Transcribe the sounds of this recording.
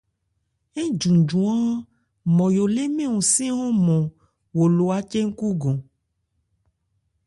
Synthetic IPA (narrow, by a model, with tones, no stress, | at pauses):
e˦d͡ʒũ˨d͡ʒũ˨ã˦ | mɔ̃˨jo˨le˦mẽ˦wũ˨sĩ˦wo˦mɔ̃˨ | wo˨lo˨a˨t͡ʃe˦ŋ̩˦ku˦ɡõ˨